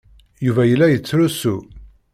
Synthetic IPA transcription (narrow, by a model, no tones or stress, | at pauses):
juvæjəlːæjət͡sːɾusu